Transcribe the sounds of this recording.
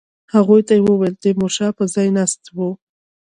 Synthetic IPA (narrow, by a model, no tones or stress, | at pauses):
haɣujt̪ajewəweld̪emoʃɑpəzɑjnast̪wu